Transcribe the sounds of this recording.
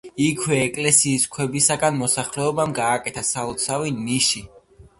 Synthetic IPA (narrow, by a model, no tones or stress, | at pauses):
ikʰwɛːkʼlɛsiːskʰwɛbisaɡanmɔsaχlɛɔbamɡaːkʼɛt̪ʰasaɔt̪sʰaviniʃi